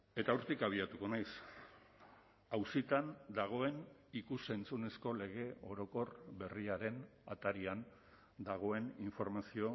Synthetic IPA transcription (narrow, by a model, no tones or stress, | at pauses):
e̞t̪auɾt̪ikaβ̞iat̪uko̞najs | awsit̪and̪aɣ̞o̞e̞nikuse̞nt͡sune̞sko̞le̞ɣ̞e̞o̞ɾo̞ko̞rβe̞riaɾe̞nat̪aɾian | d̪aɣ̞o̞e̞niɱfo̞ɾmasio̞